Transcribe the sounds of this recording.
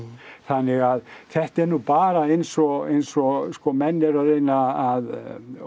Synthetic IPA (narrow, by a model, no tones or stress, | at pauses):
θanːɪɣaðθɛht̪ɛɾnupaːɾaejnsɔɣejnsɔɣskɔmɛnːɛɾaðɾejnaːð